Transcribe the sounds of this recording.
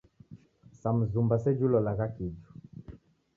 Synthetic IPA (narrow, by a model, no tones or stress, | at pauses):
sam̩zumbasɛd͡ʒulɔlaɣakid͡ʒu